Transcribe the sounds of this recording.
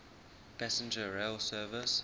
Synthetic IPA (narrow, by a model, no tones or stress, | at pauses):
pʰæsə̃nd͡ʒəɹeɪlsɜːvɪs